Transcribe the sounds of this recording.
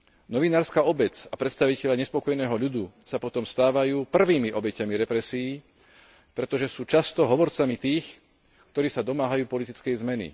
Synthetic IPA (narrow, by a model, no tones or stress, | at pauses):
nɔʋinaːɾskaːɔbɛt͡sapɾɛt̪st̪aʋicɛʎaɲɛspɔkɔjnɛːɦɔʎud̪usapɔt̪ɔmst̪aːʋajuːpr̩ʋiːmiʔɔbɛcamiɾɛpɾɛsiː | pɾɛt̪ɔʒɛsuːt͡ʃast̪ɔɦɔʋɔɾt͡samit̪iːx | kt̪ɔɾiːsad̪ɔmaːɦajuːpɔlit̪it͡skɛjzmɛnḭ